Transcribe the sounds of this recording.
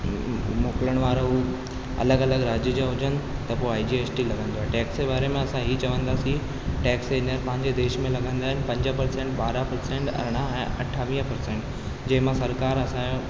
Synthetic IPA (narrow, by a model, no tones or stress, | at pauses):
moːkɪləɽ̃ʋaːɾou | ɐ̰ləɡɐləɡɾaːd͡ʑjəd͡ʑaɦʊd͡ʑənɪ̆t̪ɐpoaːid͡ʑiːeːt͡ɕʈilɐɡʱə̃nd̪oaːeʈɛːksebaːɾemẽɐsãɦiːt͡ɕɐʋə̃nd̪aːsĩ | ʈɛːksenəɾpɐ̃ɦɪ̃ɲd͡ʑed̪eːʃmẽlɐɡʱə̃nd̪aːɦɪnɪ̆pɐ̃ɲd͡ʑəpɐɾsẽːɳʈɓaːɾəpɐɾsẽːɳʈɐ̰ɾɽ̃aɛ̃ːʔɐʈʰːaːʋĩːəpɐɾsẽːɳʈ | d͡ʑɐ̃ɦɪ̃mãsɐɾkaːɾɐsã